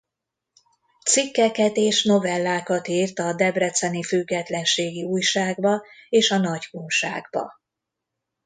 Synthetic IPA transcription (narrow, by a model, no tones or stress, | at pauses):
t̪sikːɛkɛt̪eːʃno̞vɛlːaːkɒt̪iːrt̪ɒd̪ɛbrɛt̪sɛnifyɡːɛt̪lɛnʃeːɡiuːjʃaːɡbɒeːʃɒnɒɟkuŋʃa̰ːɡbɒ̰